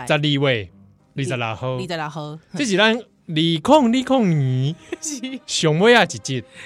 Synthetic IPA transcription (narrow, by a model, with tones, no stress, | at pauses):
t͡sa˧t̚li˧we˨˩ | liː˧t͡sa˨˧la˨˩ho˧a˧˨a˧ht͡ɕi˦t͡ɕi˨la˦˨n | liː˧kʰɔ˥˧˨ŋli˦kʰɔ˥˨ŋɲĩ˨˦ | ɕjɔ˨˧˦ŋbwe˦a˧˩t͡ɕi˨˩t͡ɕi˧˩t̚